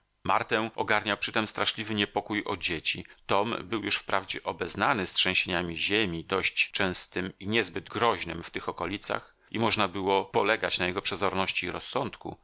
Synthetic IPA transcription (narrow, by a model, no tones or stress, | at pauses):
ma̰ɾt̪ɛʔɔɡaɾɲawpʂɘt̪ɛmst̪ɾaʂlʲivɘɲɛpɔkujɔd͡ʑet͡ɕit̪ɔmbɘwjuʂfpɾavd͡ʑɛʔɔbɛznanɘstʂɛ̃ɕeɲamʲiʑemʲid̪ɔɕt͡ɕt͡ʂɛ̃w̃st̪ɘmiɲɛzbɘd̪ɡɾɔʑnɘmft̪ɘxɔkɔlʲit̪sa̰x | imɔʐnabɘwɔpɔlɛɡat͡ɕnajɛɡɔpʂɛzɔɾnɔɕt͡ɕiːɾɔsːɔnt̪kṵ